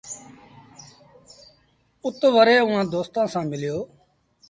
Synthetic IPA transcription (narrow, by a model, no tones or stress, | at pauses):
ʊt̪ʋəɾeːʊɦãːd̪oːst̪ãːsãːmɪljoː